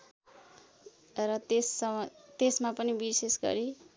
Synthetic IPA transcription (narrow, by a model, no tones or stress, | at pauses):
rʌt̪esʌt̪esmapʌnibisesɡʌ̰ɾi